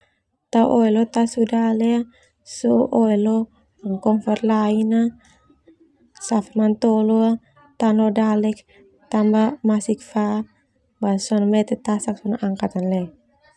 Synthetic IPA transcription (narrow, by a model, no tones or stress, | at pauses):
t̪aṵʔɔɛlɔt̪asudalɛa | sɔʔɔɛlɔ | aŋkɔmfɔrlaina | safamant̪ɔlɔa | t̪anɔdalɛk̚ | t̪ambamasik̚fa | basɔnamɛt̪ɛt̪asak̚sɔnaʔaŋkat̪anlɛ